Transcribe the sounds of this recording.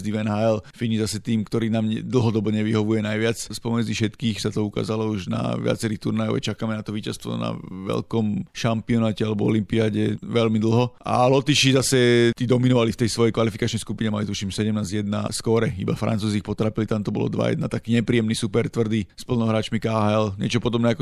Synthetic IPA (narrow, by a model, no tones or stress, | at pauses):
zd̪iʋɛnɦaɛlfiɲizasɛt̪iːmkt̪ɔɾiːnaːmɲɛd̪l̩ɦɔd̪ɔbɔɲɛʋiɦɔʋujɛnajʋɪat͡sspɔmɛd͡zifʃɛt̪kiːxsat̪ɔuka̰ːzalɔuʒna̰ʋɪa̰t͡sɛɾixt̪uɾnajɔ̰ʋɛ̰t͡ʃakaːmɛnat̪ɔʋiːcast̪ʋɔ̰na̰ʋɛ̰lkɔmʃampiɔnaːcɛalɛbɔɔlimpiaːɟɛʋɛlmid̪l̩ˠɦɔʔa̰lɔt̪iʃizasɛt̪id̪ɔminɔʋalift̪ɛjsʋɔjɛjkʋalifikat͡ʃnɛjskupiɲɛmalit̪uʃimsɛɟɛmnaːzjɛd̪na̰skɔɾɛḭba̰fɾa̰nt͡suːziːxpɔt̪ɾaːpilit̪amt̪ɔbɔ̰lɔ̰d̪ʋa̰jɛ̰d̪nat̪akiːɲɛpɾiːjɛmnisupɛɾt̪ʋr̩d̪ispl̩nɔɦɾaːt͡ʃmikaɦaɛlɲɪɛ̰t͡ʃɔpɔd̪ɔbnɛakɔ